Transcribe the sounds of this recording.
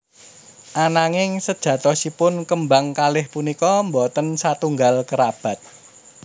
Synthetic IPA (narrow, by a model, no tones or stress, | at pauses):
ʔanaŋɪŋsəd̥ʒ̥ä̤t̪ɔsipʊnkəmbaŋkalɪhpunikɔmbot̪ənsat̪uŋɡalkəɾab̥ä̤t̪̚